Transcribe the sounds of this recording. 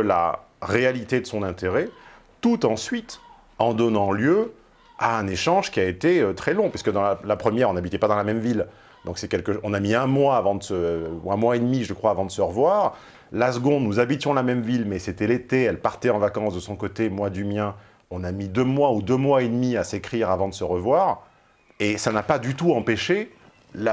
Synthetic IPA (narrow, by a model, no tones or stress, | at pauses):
əla̰ | ʁealit̪ed̪əsɔ̃nɛ̃t̪eʁɛ | t̪ut̪ɑ̃sɥit̪ | ɑ̃d̪ɔnɑ̃ljø | aɛ̃neʃɑ̃ʒkʲiaet̪eøt̪χɛlɔ̃pɥiskəd̪ɑ̃lalapχəmjɛʁɔ̃nabit̪ɛpad̪ɑ̃lamɛmvil | d̪ɔ̃ksɛkʲɛlkəɔ̃namiɛ̃mwaːvɑ̃d̪əsəɛ̃mwaed̪miʒəkχwaːvɑ̃d̪əsəʁəvwaːʁ | lasəɡɔ̃d̪nuzabit̪jɔ̃lamɛmvilmɛset̪ɛlet̪eɛlpaʁt̪ɛɑ̃vakɑ̃sd̪əsɔ̃kot̪emwad̪ymjɛ̃ | ɔ̃namid̪ømwaud̪ømwaed̪miasekχiʁavɑ̃d̪əsəʁəvwaːʁ | esanapad̪yt̪uɑ̃peʃe | la